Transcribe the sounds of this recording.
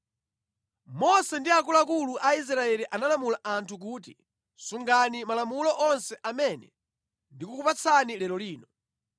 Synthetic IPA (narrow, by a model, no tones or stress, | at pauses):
mɔsɛndiakulakuluʔais̬ɾaɛliʔanalamulaʔantʰuk̬uːti | suŋɡanimalamulɔʔɔnsɛʔamɛnɛ | ndikukupat͡sʰanilɛlɔliːnɔ